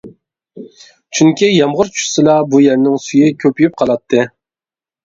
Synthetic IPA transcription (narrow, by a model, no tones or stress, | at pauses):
t͡ʃʰyŋkʲijɑmʁʊɾt͡ʃʰy̥sɨlˠɑbujæɾnɪŋsyjɪkʲʰøpyjyp̚qʰɑlˠɑt̪ʰːɨ